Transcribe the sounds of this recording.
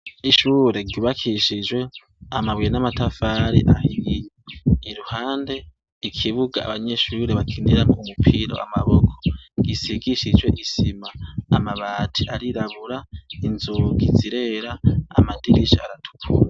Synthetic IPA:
iʃuːɾe̞ɟuːβakʰiʃid͡ʒwe̞ | amaβwijenamatafaːɾḭʔahiijeiɾuhaːnde̞ | ikʰiβuɡaa̰βaɲe̞ʃuːɾe̞βakʰiniɾamoumupʰiɾo̞̰a̰maβokʰo̥ɡisiɡiʃid͡ʒwe̞̰ʔisimaːmaβatʰiaɾiɾaβuɾainzuɡiziɾeɾaa̰madiɾiʃia̰ɾatʰu̥kʰṵːa

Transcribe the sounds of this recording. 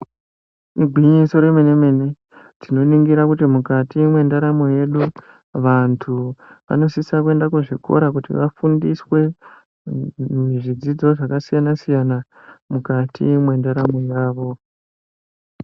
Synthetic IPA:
miɡʱwiɲiso̞ɾemene̞me̞ne̞ | tino̞niŋɡiɾakutimukatimwe̞ndaɾamo̞je̞ɗu | ʋantʰuʋa̰no̞sisakue̞ndakuʐikʰo̞̰ɾak̬utḭʋafundiswe̞ | iʐid͡zid͡zo̞ʐakasijanasijana | mukatʰḭmwe̞ndaɾamo̞jaːʋo̞

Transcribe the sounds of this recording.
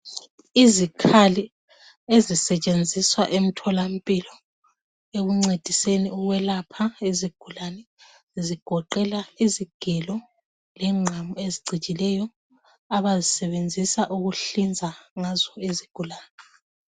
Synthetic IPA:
izikʰali | ezisɛt͡ʃʼend͡zʱiswa̰ʔem̩tʰɔlam̩pʼilɔ | eɣuŋ͡ǀed̥ʱiseniuɣwɛlapʰaeziɡ̥ʱulanɛ | ziɡ̥ʱɔǃɛlaiziɡ̥ʱɛlɔ | lɛŋ͡ǀʱamueziɡ͡ǀʱit͡ʃʼilɛjɔ | aβazisɛβend͡zʱisaʔuɣuɬind͡zʱaŋazɔiziɡ̥ʱulaːnɛ

